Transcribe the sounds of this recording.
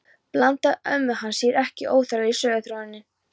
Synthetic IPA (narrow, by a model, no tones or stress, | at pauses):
plant̪aœmːʏhansiɛɾɛhcɪʔoːwθaɾaɾisœːɣaθɾoːɪnːɪ